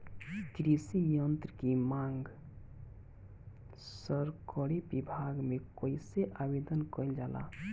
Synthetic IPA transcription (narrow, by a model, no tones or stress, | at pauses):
t̪ɾisijənt̪ɾəkimaŋɡ | səɾkəɾebibʱaɡmekəjseʔabed̪ənkəjld͡ʒala̰